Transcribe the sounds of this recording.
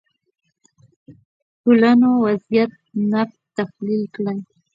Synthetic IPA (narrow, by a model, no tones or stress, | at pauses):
kʊlanowasjat̪̚ | napt̪aflɪlklaŋ